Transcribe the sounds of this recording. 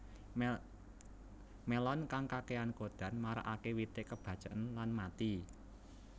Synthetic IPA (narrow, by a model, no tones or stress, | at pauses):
melɔnkaŋkakeankod̪̥a̤nmaɾa̰ʔakewit̪eʔkəb̥ä̤d̥ʒ̥a̤ʔənlanmat̪i